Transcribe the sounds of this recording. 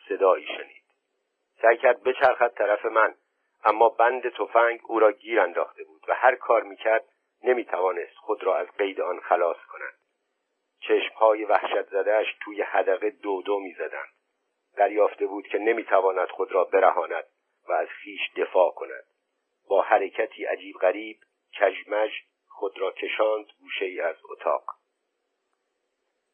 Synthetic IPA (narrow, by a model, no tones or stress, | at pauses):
se̞d̪ɒːiːʃeniːd̪̥ | sæjcʰæɾd̪̚be̞t͡ʃʰæɾxæt̪̚t̪ʰæɾæfe̞mæn | ʔæmːɒːbænd̪e̞t̪ʰo̞fæŋɡuːɾɒːɟiːɾænd̪ɒːxt̪e̞buːd̪væhæɾkʰɒːɾmiːcʰæɾd̪̥ | ne̞miːt̪ʰævɒːne̞st̪xo̞d̪ɾɒːæzɢe̞jd̪e̞ɒnxælɒːskʰo̞næ̰d̪̥ | t͡ʃʰe̞ʃmhɒːje̞væhʃæt̪ʰzæd̪eæʃt̪ʰuːje̞hæd̪æɣe̞d̪od̪omiːzæd̪æ̰nd̪̥ | d̪æɾjɒːft̪e̞buːd̪̥cʰe̞ne̞miːt̪ʰævɒːnæd̪̥xod̪ɾɒːbe̞ɾæ̰hɒːnæd̪̥ | væːz̥xiːʃd̪e̞fɒːkʰo̞næ̰d̪̥ | bɒːhæɾe̞cʰæt̪ʰiːʔæ̰d͡ʒiːbʁæɾiːb̥̚ | cʰæʒmæʒ | xod̪ɾɒːcʰe̞ʃɒːnd̪ɡuːʃe̞iːæzo̰t̪ʰɒ̰ːq